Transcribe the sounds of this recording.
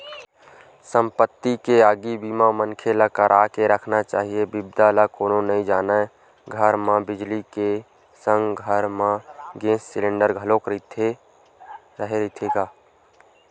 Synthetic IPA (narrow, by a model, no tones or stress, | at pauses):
sə̃mpət̪ːikeaːɡibiːmãmənkʰelakəɾʔaːkeɾəkʰnat͡ʃaːɦiebɪbd̪alakoːnonəɦĩd͡ʒaːna | ɡʱəɾmãbɪd͡ʒlike | sə̃ŋɡɡʱəɾmãɡẽːsːɪlẽːɳɖəɾɡʱəlokɾit̪ʰe | ɾəɦeɾit̪ʰeɡaː